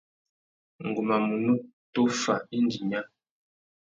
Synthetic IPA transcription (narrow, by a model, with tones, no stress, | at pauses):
ŋ̩˨ɡu˨ma˨mu˨nu˦ | to˦fa˨i˦n˦di˨ɲa˦